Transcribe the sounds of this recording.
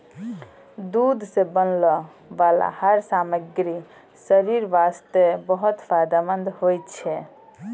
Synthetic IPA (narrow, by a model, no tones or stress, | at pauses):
d̪ud̪ʱsẽbənlɔ | ʋala̰həɾsaməɡɾi | səɾiɾʋast̪ebəɦut̪pʰajd̪amənd̪ʱhojt̪t͡ʃʰɛ